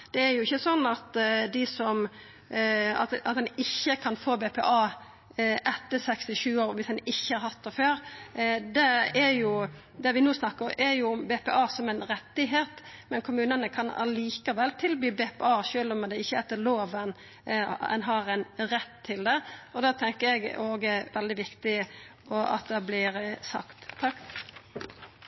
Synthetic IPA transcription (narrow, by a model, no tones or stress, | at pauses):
d̪̥ɛæɾjʊɪçːəsɔnːɑt̪d̪ɪsɔm | ɑ̰t̪ɑ̰t̪̚d̪ɛnɪçːəkʰɑnfoːbepʰɛ̰ʔɑː | ʔɛt̪ːəɾsɛkst̪ɪʃʉːoːɾʋɪsd̪ɛnɪçːəhɑɾhɑt̪ːɛføːɾd̪ɛæɾjʊ | d̪ɛʋɪnoːsnɑkːəʔɛɾjʊmbeːpɛ̰ʔɑːsɔmɛnɾɛt̪ːɪɦeːt̪mɛnkʰʊmʉːnənəkʰɑnɑ̰liːkəʋɛlt̪ʰɪlbyːbeːpɛɑːʃøːlɔmɛd̪ɛɪçːəɛt̪ːəloːʋən | ɛ̰nɦɑɾɛnɾɛt̪ʰːɪld̪ɛɔd̪ɑːt̪ʰɛŋkəɛɡoːɡɛɾʋɛld̪ɪʋɪkt̪ɪ | ɔɑ̰t̪̚d̪ɛblɪɾsɑ̰kt̪ʰːɑk